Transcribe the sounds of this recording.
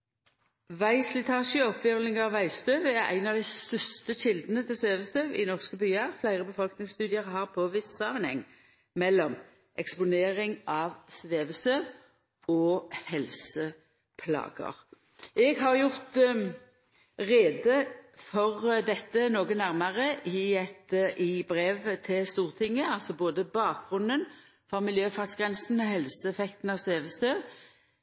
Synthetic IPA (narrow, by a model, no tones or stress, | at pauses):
ʋæɪslɪt̪ʰɑːʃəɔpʋɪʋlɪŋɑʋʋæɪst̪øːʋæɾæ̰ɪnɑʋd̪æɪsst̪œst̪əɕɪld̪ənət̪ʰɪlsʋeːʋəst̪øʋɪ̰nɔʁskəbyːɑflæɪʁəbəfɔlknɪŋst̪ʉːd̪ɪəʁɦɑʁpʰoːʋɪst̪sɑʋnhɛ̰ŋ | mɛlːɔm | ʔɛkspʊneːʁɪŋɑːʋsʋeːʋəst̪øʋ | ɔːhɛlsə | pʰlɑ̰ːɡə̰ʁ | ʔɛɡɦɑʁjʊʁt̪ | ʁeːd̪əfɔʁd̪ɛt̪ːənoːɡənæʁməʁəʔɪɛt̪ʔɪbʁeːʋt̪ʰɪlst̪uːʁt̪ʰɪŋːəɑlt̪sɔboːd̪əbɑːk̚ɡ̥ʁʉnd̪ən | fɔmɪljøːfɑt̪sɡ̥ʁɛnsn̩ɔhɛlsəɛfɛkt̪n̩ɑʋsʋeːʋəst̪øː